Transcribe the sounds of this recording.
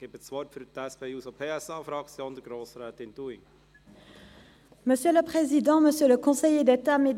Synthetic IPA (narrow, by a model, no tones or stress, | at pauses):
ɡ̥ebət͡svɔrtfyɾt̪ɛspeuːsopʰeːɛsɑːfɾɑkt͡sjõːnd̪əɡɾoːsɾɛːt̪ɪnd̪uiŋ | məsjøləpχezid̪ɑ̃məsjøləkɔ̃sɛjed̪et̪amed̪